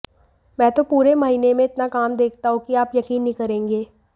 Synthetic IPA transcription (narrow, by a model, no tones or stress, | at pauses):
mɛ̃ːt̪opuːɾemɐɦiːnemẽɪt̪nakaːmd̪eːk̚ʰt̪aɦũkiaːpjɐkiːnːĩkɐɾẽːŋɡeː